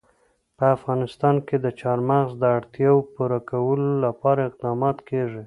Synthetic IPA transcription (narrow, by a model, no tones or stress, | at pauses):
pəafɣɑnɪst̪ɑnked̪ət͡ʃɑɾmaɣzd̪əaɽt̪jɑwpuɾakawəlolapɑɾaɪq̚d̪ɑmɑt̪keʐi